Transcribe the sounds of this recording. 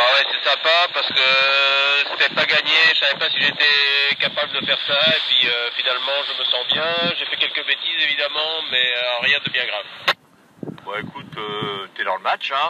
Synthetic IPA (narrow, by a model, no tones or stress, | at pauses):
awɛsɛsɛ̃papaʁsə̥kə | sɛ̥t̪ɛpaɡaɲeʒəsavɛpasiʒeːt̪ekapabləd̪əfɛʁsaepɥiøfinalmɑ̃ʒəməsɑ̃bjɛ̃ʒefɛkʲɛlkəbet̪izevid̪amɑ̃mɛʁjɛ̃d̪əbjɛ̃ɡʁav | baekut̪øt̪yɛd̪ɑ̃ləmat͡ʃɛ̃